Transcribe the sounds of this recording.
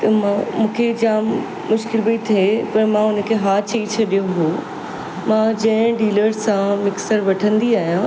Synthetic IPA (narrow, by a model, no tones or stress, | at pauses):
t̪ɐmãmũːkʰed͡ʑaːmː | ʊʃkɪlbəit̪ʰepɐɾmãʊnə̆kʰeɦaːt͡ɕʰɐit͡ɕʰɐɗijoɦoː | mãd͡ʑɐ̃ɦɪ̃ɖiːləɾsãmɪksəɾʋɐʈʰə̃nd̪iaːɦijã